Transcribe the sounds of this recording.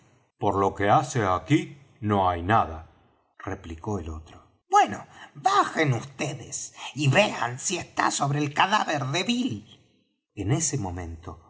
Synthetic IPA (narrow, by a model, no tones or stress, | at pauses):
poɾlo̞keaseaki | no̞ajnaða | repliko̞elo̞t̪ɾo | bweno̰baxenust̪eðḛsiβea̰nsiest̪a̰so̞βɾeːlkaðaβeɾðeβil | enesemo̞mẽ̞nt̪o